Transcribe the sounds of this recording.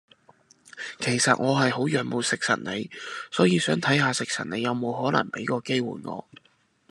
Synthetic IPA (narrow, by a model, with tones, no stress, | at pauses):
kʰe˨˩jsɐ˨t̚ŋɔː˨˧ɦɐ˨jho˨˥wjœː˨˧ŋmo˨˧wsɪ˨k̚sɐ̰˨˩n̚ne˨˧jsɔː˨˥jiː˨˧sœː˨˥ŋt̪ʰɐ˨˥jɦaː˧sɪ˨k̚sʰɐ̰˨˩ne˨˧jɐ˨˧wmo˨˧wɦɔː˨˥nlɐ̰˨˩ŋpe˨˥jkɔː˧ke˥jwṵː˨˩jŋɔ̰ː˨˧